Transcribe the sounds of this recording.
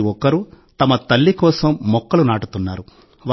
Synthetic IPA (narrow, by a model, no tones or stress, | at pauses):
ɔkɐɾu | t̪ɐmɐt̪ɐlːikɔːsɐmːɔkːɐlunaːʈut̪unːaːɾu | ʋ